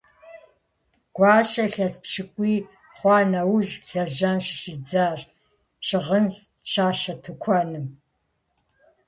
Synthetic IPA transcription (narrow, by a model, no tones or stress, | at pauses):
ɡ̥ʷɑːɕɐɬɐspʃɨkʷʼiː | χʷɑːnɐwʒɬɐʒɐnʃɪʃid͡zaːɕ | ʃɪʁəns | ʃaːʃɐtʰɨkʷʰɔnɨm